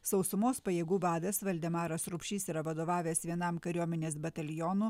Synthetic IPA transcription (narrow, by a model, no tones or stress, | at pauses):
sɒʊsʊmoːspɐjeːɡuːbɑːd̪ʲɐsʋɐlʲd̪ʲɛmɑːɾɐsɾʊpʲʃʲiːsiɾɐʋɐd̪oːʋɑːʋʲeːsʋʲiɛnɐmkɐɾʲuɔmʲɛnʲeːsbɐt̪ɐlʲjɔːnu